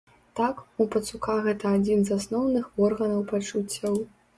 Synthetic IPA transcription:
t̪akupɐt̪sukaɣɛt̪ɐːd͡zʲinzasnɔwnɨxɔrɣɐnɐwpat͡ʂut͡sʲːɐw

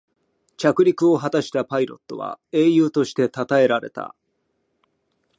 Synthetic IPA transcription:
t͡ɕʲakɯ̟ɾʲikɯ̟o̞ɦat̪aɕi̥t̪apaiɾo̞̰t̪ːo̞̰βa̰e̞ːjɯ̟ːt̪o̞ɕi̥t̪e̞t̪at̪ae̞ɾaɾe̞̰t̪a̰

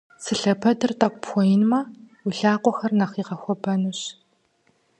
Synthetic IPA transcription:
sɨɬɐpʰɐdɨrtʼɐk̚ʷpʰxʷɔjinmɐ | wuɬaːqʷɔxɐrnɐχiːʁɐxʷɔbɐnuɕ

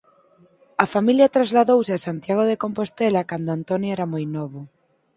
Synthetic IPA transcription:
ɐfamiljɐt̪ɾazlaðowsɪasant̪jaɣ̞oðekompost̪ɛlakand̪oant̪ɔnjoɛɾɐmojnɔβʊ

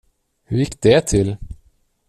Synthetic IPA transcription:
hɵɾjɪkːd̪̥ɛt̪ʰɪl

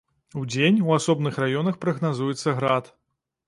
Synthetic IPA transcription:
ud͡zʲenʲuasɔbnɨxrajɔnɐxpɾɐɣnazujɛt̪sːɐɣɾat̪

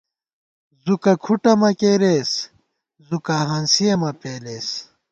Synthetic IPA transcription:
zukɐkʰuʈɐmɐkeːɾeːs | zukɐɦaːnsijɐmɐpeːleːs

